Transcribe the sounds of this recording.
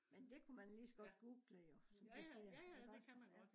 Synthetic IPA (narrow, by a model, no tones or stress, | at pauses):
mend̥e̝kʰumænlisɡ̥ɒd̥ɡ̥uːɡ̥ləjosɒ̽mpʰæse̝̰ːɐd̥eɡ̥ɑsɒ̥